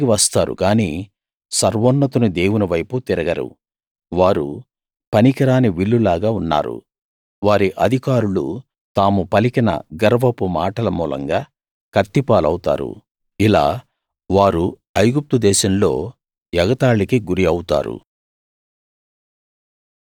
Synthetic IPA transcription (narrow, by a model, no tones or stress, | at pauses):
kiʋɐst̪aːɾṵkaːniː | sɐɾʋɔnːɐt̪unud̪e̞ːwuniʋɐjput̪iɾɐɡɐɾṵ | ʋaːɾu | pɐnikɐɾaːniʋiɭːulaːɡaːunːa̰ːɾṵ | ʋaːɾiʔɐd̪ʱikaːɾulṵ | t̪aːmupɐlikinɐ̰ɡɐɾɐʋɐpumaːʈɐlɐmuːlɐ̰ŋɡaː | kɐt̪ːipaːlɐwt̪a̰ːɾṵ | ila̰ː | ʋaːɾu | ɐjɡup̚t̪ud̪ɛːʃɐmlo̞ː | jɐɡɐt̪aːɭikiɡuɾiɐwut̪a̰ːɾṵ